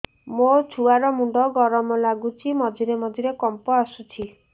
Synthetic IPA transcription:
mot͡ʃʰuaɾɔmuɳɖɔɡɔɾɔmɔlaɡut͡ʃʰimɔd̪ʱiɾemɔd̪ʱiɾekɔmpɔasut͡ʃʰi

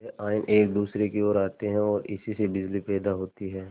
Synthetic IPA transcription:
ɛʔaːɪnʔeːk̚d̪uːsɾekeoːɾaːt̪eɦɛ̃ɔːɾɪsisebɪd͡ʒlipɛːd̪aɦoːt̪iɦɛː

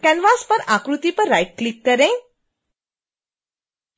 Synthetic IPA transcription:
kɛ̃nʋaspəɾakɾut̪ipəɾːajʈ̚klikːəɾẽ

